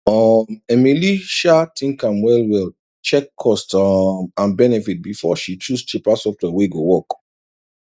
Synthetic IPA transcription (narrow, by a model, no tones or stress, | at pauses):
ɔmemiliʃatʰĩŋkãmwɛlwil | t͡ʃɛkʰːɔstmãnbɛnɛfit̚bifɔ̰ʃit͡ʃust͡ʃipasɔftwɛweɡowɔk